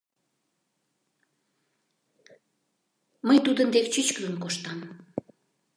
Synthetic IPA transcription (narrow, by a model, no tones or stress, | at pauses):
məjt̪ud̪ənd̪ekt͡ɕyt͡ɕkəzənkoʃt̪ɑm